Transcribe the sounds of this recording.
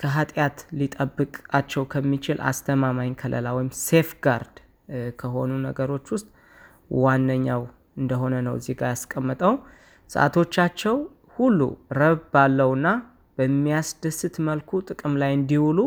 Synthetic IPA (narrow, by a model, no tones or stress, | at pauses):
kʰəɦat̪ʼjat̪lit̪ʼəbːɨkʼat͡ʃːɛwkʰəmːit͡ʃɪlʔa̰st̪ʰəmamajnkʰəlʔə̰lawɔjɪmsefɡaɾd̪ | kʰəɦo̞nunəɡəɾo̞t͡ʃːwʊst̪ʼ | wanːəɲːaw | ɨnd̪əɦo̞nənəwzeɡajaskʼəmːət̪ʼəw | sɨ̰ʔa̰t̪ʰo̞t͡ʃːat͡ʃːɛw | hulːṵɾəβbalːəwɨnːa | b̥əmːijasd̪əsːɨt̪məlkʰut̪ʼɨkʼɨmlajɨnd̪iwulu